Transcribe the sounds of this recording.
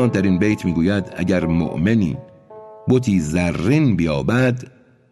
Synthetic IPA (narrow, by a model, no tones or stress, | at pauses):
d̪æɾiːnbejt̪ʰmiːɡuːjæd̪æ̰ɟæɾmo̰ʔme̞nḭː | bot̪ʰiːzærːiːnbijɒːbæd̪